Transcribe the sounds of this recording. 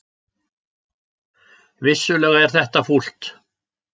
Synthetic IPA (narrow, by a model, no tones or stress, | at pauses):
vɪsːʏlɛːɣaɛɾ̥θɛht̪aful̥t̪